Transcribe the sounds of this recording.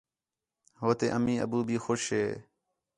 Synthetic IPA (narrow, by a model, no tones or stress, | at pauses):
ɦoːt̪eːʔəmĩːə̰buːbʱiːxoːʃɦeː